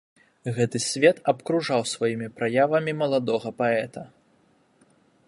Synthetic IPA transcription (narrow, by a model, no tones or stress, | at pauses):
ɣɛt̪ɨsʲvʲɛt̪ɐpkɾuʐawsvajimʲipɾajavɐmʲimɐlˠad̪ɔɣɐpaɛt̪ɐ